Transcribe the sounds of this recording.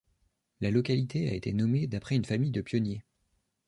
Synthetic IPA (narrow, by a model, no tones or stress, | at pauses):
lalɔkalit̪ea̰et̪enɔmed̪apχɛynfamijd̪əpjɔnje